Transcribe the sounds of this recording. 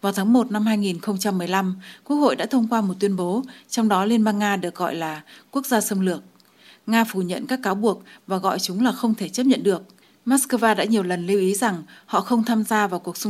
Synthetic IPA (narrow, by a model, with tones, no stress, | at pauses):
vaː˨˩t̪ʰaː˨˦ŋmo˨˩t̚na˧mhaː˧jŋi˨˩nxə˧wŋ͡mt͡ɕa˧mːɨ˨˩əjla˧mku˦˥ək̚ho̰˧˨jɗa̰ː˧˥t̪ʰə˧wŋ͡mkwaː˧mo˨˩t̚t̪wi˧ənɓo˨˦t͡ɕɔ˧wŋ͡mɗɔ˨˦li˧ənɓaː˧nːaː˧ɗɨ˨˩ək̚ɣɔ̰˧˨jlaː˨˩ku˦˥ək̚zaː˧sə˧ŋ͡mlɨ˨˩ək̚ | ŋaː˧fu˧˩ɲə̰˧˨nkaː˦˥kːaː˨˦wɓu˨˩ək̚vaː˨˩ɣɔ̰˧˨jt͡ɕʊ˨˦ŋ͡mlaː˨˩xə˧wŋ͡mt̪ʰe˧˩t͡ɕə˦˥p̚ɲə̰˧˨nɗɨ˨˩ək̚ | maː˦˥skəː˧vaː˧ɗa̰ː˧˥ɲi˨˩əwlə˨˩nli˧wʔi˨˦za˨˩ŋhɔ̰˧˨xə˧wŋ͡mt̪ʰaː˧mzaː˧vaː˨˩wku˨˩ək̚sŋ͡m